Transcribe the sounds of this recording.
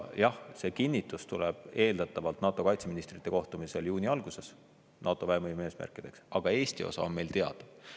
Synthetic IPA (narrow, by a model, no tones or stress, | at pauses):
jɑhse̞ːkinʲːit̪ːˑust̪uleb̥e̞ːld̪̥ɑt̪ːˑɑvɑlt̪nɑːt̪ːˑo̞kɑjt̪seminist̪rit̪ːe̞ko̞ht̪umise̞ljuːnʲiɑlɡ̥use̞s | nʔɑːt̪ːˑo̞væɦemɤjme̞ːsmæ̰rkːˑid̪̥e̞ksɑɡ̥ɑe̞ːsʲt̪io̞̰sɑ̰onme̞jlt̪e̞ɑ̰d̪̥ɑ̥